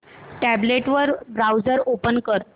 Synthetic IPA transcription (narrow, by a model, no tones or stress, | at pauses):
ʈæbleʈʋəɾbɾawd͡zəɾopənkəɾ